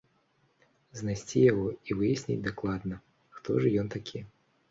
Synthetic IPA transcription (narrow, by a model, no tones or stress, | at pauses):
znajsʲt͡sʲijaɣɔivɨjasʲnʲḭd͡zʲd̪aklˠad̪nɐ | xt̪ɔʐɨjɔnt̪akʲʰi